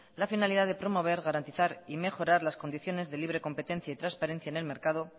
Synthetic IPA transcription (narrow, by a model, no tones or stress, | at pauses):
lafinaliðaðe̞pɾo̞mo̞β̞e̞ɾɣaɾant̪iθaɾime̞xo̞ɾaɾlasko̞nd̪iθjo̞ne̞zðe̞liβ̞ɾe̞ko̞mpet̪e̞n̟θjait̪ɾanspaɾẽ̞n̟θjaene̞lme̞ɾkaðo̞